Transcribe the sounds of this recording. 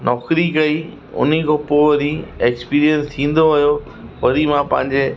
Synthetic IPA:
nɔːkɾikɐi | ʊ̰n̤ikʰoːpoʋɐɾieːkspiːɾijə̃nst̪ʰĩːn̆d̪oɦʊjo | ʋɐɾimãpɐ̃ɦɪ̃ɲd͡ʑe

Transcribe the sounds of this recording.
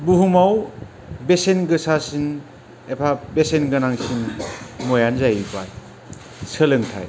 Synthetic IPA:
buɦumaw | besenɡɯsasin | epʰabesenɡɯnaŋsinmɔjanzajbaj | sʰəlɯŋtʰa̰j

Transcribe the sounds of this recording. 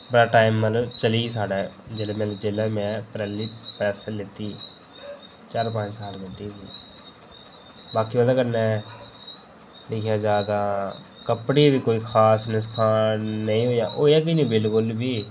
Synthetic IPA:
bəɽaːʈaːɪmːət̪ləbt͡ʃəliːsaːɽaːd͡ʒeːlaːmɛd͡ʒeːlaːmɛ̃ːpɾɛːlːiːpɛːsəlɪt̪iː | t͡ʃaːɾp̬ãːt͡ʃsaːlbeɖiːɡiː | baːkiːʋaːd̪aːkəɾnɛ̃ː | lɪkʰjaːd͡ʒaːd̪ãː | kəpɽiːbiːkoːiːkʰaːsnɪskʰaːəĩːɦoːja̰ːʔoːjaːk̬inĩːbɪlkʊlbiː

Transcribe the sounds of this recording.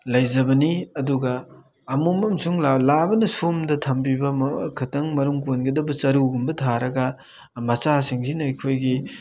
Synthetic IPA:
lɐjzɐbɐniɐduɡɐː | mumɐmsuŋlalabɐnɐsomdɐtʰɐmbibɐmkʰɐtɐŋmɐɾuŋkonɡɐdɐbɐt͡ʃɐɾuɡumbɐtʰaɾɐɡɐ | mɐt͡ʃasiŋsinɐɐjkʰojɡi

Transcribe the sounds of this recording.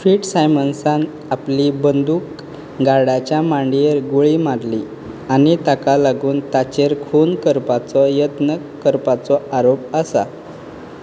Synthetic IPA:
fiːʈsajmənsãn | aplibənd̪uːk | ɡaɽat͡ɕjamaɳɖieɾɡoɭiːmaɾli | anit̪akalaɡuːnt̪at͡ɕeɾkʰonkəɾpat͡sɔjət̪nə | kːəɾpat͡sɔaɾopəsa̰

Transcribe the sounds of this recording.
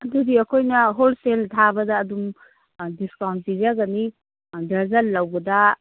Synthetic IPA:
ɐdudiɐkʰojnɐɦolseltʰabɐdɐːdum | diskawnt̚bizaɡɐni | dɐɾzɐlːɐwbɐdɐ

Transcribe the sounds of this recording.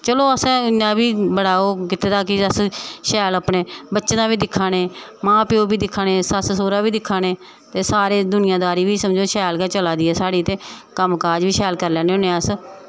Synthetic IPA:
t͡ʃəloːəsnãːbiːbəɽaːoːkɪt̪ːeːd̪aːkɪəsʃɛːlaːpneːbətːʃnãːbiːd̪ɪkʰːaːneːmãːpɪoːbiːd̪ɪkʰːaːneːsəssoːɾaːbiːd̪ɪkʰːaːneː | t̪eːsaːɾeːd̪ʊnɪjãːd̪aːɾiːʋiːsəmd͡ʒoːʃɛːlkɛːt͡ʃəlaːd̪iːɛːsaːɽiːt̪eːkəmkaːd͡ʒʋiːʃɛːlkəɾlɛːneõːnẽːəs

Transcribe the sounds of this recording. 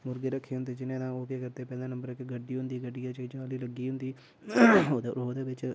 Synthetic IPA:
mʊɾɡeːɾəkʰːeːɦʊ̃nd̪eːd͡ʒɪnẽːd̪ãːoːkeːkəɾt̪eːpɛ̃ːd̪ãːnəmbəɾɪkɡəɖːiːʊ̃nd̪iːɡəɖiːaːt͡ʃəiːd͡ʒaːliːləɡːiːɦʊ̃nd̪iː | d̪oːd̪eːbɪt͡ʃ

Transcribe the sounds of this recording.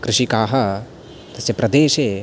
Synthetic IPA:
kɾɪʃikaːɦɐ | t̪ɐsjɐpɾɐd̪eːʃeː

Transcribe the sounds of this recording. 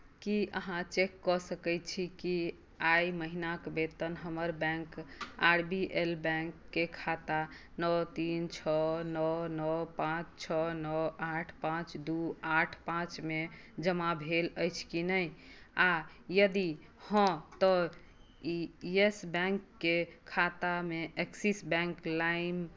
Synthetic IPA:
kiə̰ɦãt͡ʃekːɔsəkəɪt͡ʃʰiki | ajməɦinakbet̪ənɦəməɾbɛ̃ŋkaɾbiʔelbɛ̃ŋkːekʰat̪a | nɔt̪int͡ʃʰɔnɔnɔpãt͡ʃt͡ʃʰɔnɔaʈʰpãt͡ʃd̪uaʈʰpãt͡ʃmed͡ʒəmabʱeləjt͡ʃʰkinəja | jəd̪ihə̃t̪ɔ | iesbɛ̃ŋkːekʰat̪ameʔeksisbɛ̃ŋklaim

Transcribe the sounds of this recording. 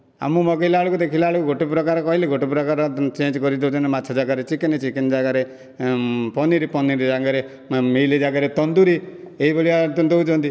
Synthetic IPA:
a̰mumɔɡɔilaaɭukud̪ekʰilaaɭukuɡʱoʈepɾɔkaɾɔkɔɦileɡʱoʈepɾɔkaɾɔt͡ʃẽnd͡ʒkɔɾid̪eut͡ʃʰɔnematːt͡ʃʰɔd͡ʒaɡaɾet͡ʃikenet͡ʃikend͡ʒaɡaɾe | pɔniɾipɔniɾid͡ʒaɡaɾe | meled͡ʒaɡaɾet̪ɔnd̪uɾi | eɦiboɭiat̪ɔnd̪eut͡ʃʰɔ̃nt̪i

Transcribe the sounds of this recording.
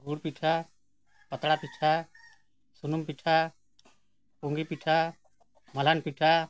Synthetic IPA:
ɡuɽpiʈʰa | pət̪ɽapiʈʰa | sunumpiʈʰa | puŋɡipiʈʰa | məlanpiʈʰa

